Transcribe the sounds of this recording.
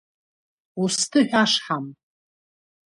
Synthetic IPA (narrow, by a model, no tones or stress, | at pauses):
ustʰɨħᶣaʂħam